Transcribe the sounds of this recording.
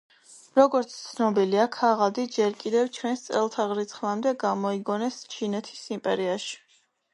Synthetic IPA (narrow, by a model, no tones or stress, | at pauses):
ɾɔɡɔɾt̪sʰt̪sʰnɔbiliakʰaʁad̪id͡ʒɛɾkʼid̪ɛvt͡ʃʰwɛnst̪sʼɛlˠt̪ʰaʁɾit̪sʰχlˠamd̪ɛɡamɔiɡɔnɛst͡ʃʰinɛt̪ʰi̥simpʼɛɾiaʃi̥